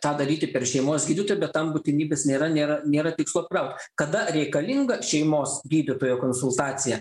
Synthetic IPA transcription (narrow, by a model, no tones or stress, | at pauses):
t̪ɑːd̪ɐɾʲiːt̪ʲɪpʲɛɾʃʲɛɪmoːsɡʲiːd̪ʲɪt̪oːjbʲɛt̪t̪ːɐmbʊt̪ʲɪnʲiːbʲeːsnʲeːɾɐnʲeːɾɐnʲeːɾɐt̪ʲɪkslˠoːpkɾɐʊkt̪ʲ | kɐd̪ɐɾʲɛɪkɐlʲɪŋɡɐʃʲɛɪmoːsɡʲiːd̪ʲɪt̪oːjoːkoːnsʊlˠt̪ɑːt̪sʲɪjɛ